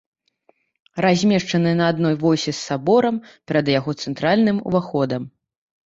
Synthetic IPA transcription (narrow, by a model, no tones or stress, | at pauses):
razʲmʲɛʂt͡ʂɐnɨnɐːd̪nɔjvɔjsʲɛsːabɔɾɐmpʲɛɾɐd̪jaɣɔt̪sɛnt̪ɾalʲnɨmṵvaxɔd̪ɐm